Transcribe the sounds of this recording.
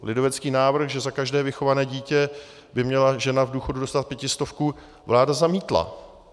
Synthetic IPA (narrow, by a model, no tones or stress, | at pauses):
lʔɪdo̞vɛt͡skiːnaːvr̩xʒɛzakaʒdɛːvɪxo̞vanɛːɟiːcɛ | bɪmɲɛlaʒɛnavduːxo̞dudo̞st̪at̪̚pjɛcɪst̪o̞fkuː | vlaːdazamiːt̪la̰